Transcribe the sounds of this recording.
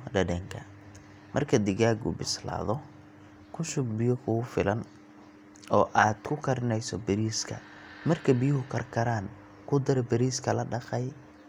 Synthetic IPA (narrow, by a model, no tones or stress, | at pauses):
ɖɐdɛŋkʰɐ | mʔɐrkʰɐd̪ɪɣaːɡʊ̰bɪsla̰ːðɔ | kʰʊʃʊɡ̚bɪjɔkʰʊʊfɪlɐn | ɔːʔaːd̪kʰʊkʰɐɾɪnɛjsɔbɐɾiːskʰɐ̰ | mɐrkʰɐbɪjʊɦʊkʰɐrkʰɐɾaːn | kʰʊd̪ɐɾɛbɐɾiːskʰɐlɐɖɑqɛj